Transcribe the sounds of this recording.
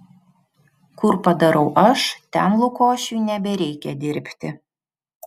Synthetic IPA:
kʊɾpɐd̪ɐɾɐʊʔɐʃt̪ʲɛnlˠʊkoːʃʲujnʲɛbʲɛɾʲɛɪkʲɛd̪ʲɪɾʲpʲt̪ʲɪ

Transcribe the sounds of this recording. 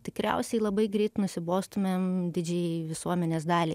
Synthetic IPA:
t̪ʲɪkɾʲɛ̰ʊsʲɛɪlˠɐbɐɪɡɾʲɛɪt̪nʊsʲɪboːst̪ʊmʲeːmd̪ʲɪd͡ʒʲɛɪʋʲɪsuɔmʲɛnʲeːsd̪ɑːlʲiː

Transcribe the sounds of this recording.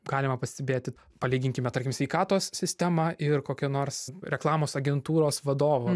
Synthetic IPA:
ɡɑːlʲɪmɐpɐsʲt̪ʲɛbʲeːt̪ʲɪ | pɐlʲiːɡʲɪŋʲkʲɪmʲɛt̪ɐɾʲrkʲɪmsʲʋʲɛɪkɑːt̪oːssʲɪsʲt̪ʲɛmɐʔɪrkoːkʲɛnoːɾsɾʲɛklˠɑːmoːsɐɡʲɛnt̪uːɾoːsʋɐd̪oːʋo

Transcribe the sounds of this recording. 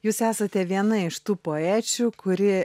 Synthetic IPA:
juːsæːsɐt̪ʲɛʋʲiɛnɐɪʃt̪uːpoːæːt͡ʃʲuːkʊɾʲɪ

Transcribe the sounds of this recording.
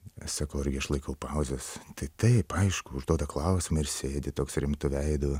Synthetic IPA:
sɑkɐʊɪɾʲɡʲɪɐʃlˠɐɪkɐʊpɐʊzʲɛst̪ɐɪt̪ɐɪpɐɪʃkʊʊʒd̪oːd̪ɐklˠɐʊsʲɪmɐɪɾsʲeːd̪ʲɪt̪oːksɾʲɪmt̪ʊʋʲɛɪd̪ʊ

